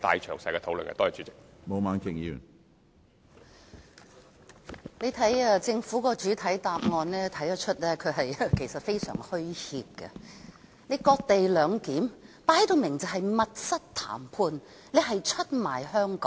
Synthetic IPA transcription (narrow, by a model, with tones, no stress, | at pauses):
t̪a̰ː˨jt͡ʃʰœː˨˩ŋsɐ˧jkɛː˧o˨˧wlɵ̰˨nkɛ̰˧t̪oɔː˥˨˩t͡ʃyː˨˥t͡sɪ˨k̚mo˨˧maː˨˥nkɪ˨˩ŋjḭ˧˨ | le˨˧jt̪ʰɐ˨˥jɛ˧t͡sɪ˧ŋfuː˨˥kɔː˧t͡ʃyː˨˥t̪ʰɐ˨˥jt̪aː˨p̚ŋɔː˧nlɛː˥t̪ʰɐ˨˥jɐː˨˧t͡ʃʰɵ˥t̚lɛː˥kʰɵ˨˧ɦɐ˨jɛ˧kʰe˨˩jsɐ˨t̚fe˥jsœ̰ː˨˩ŋhɵ˥ɥhiː˧p̚kɐ̰˧ | ne˨˧jkɔː˧k̚t̪e˨jlœː˨˧ŋkiː˨˥mpaː˧˥ht̪o˨˧wmɪ˨˩ŋt͡sɐ˨ɦɐ˨jmɐ˨t̚sɐ˥t̚t̪ʰa̰ː˨˩mpʰuː˧n | le˨˧jɦɐ˨jt͡ʃʰɵ˥t̚maː˨˩jhœː˥ŋkɔ̰ː˨˥ŋ